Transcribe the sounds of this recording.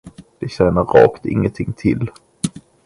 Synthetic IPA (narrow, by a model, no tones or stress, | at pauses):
d̪̥ɛɕɛnəɾɾɑ̰ːkt̪ɪ̰ŋːənt̪ʰɪŋːt̪ʰɪl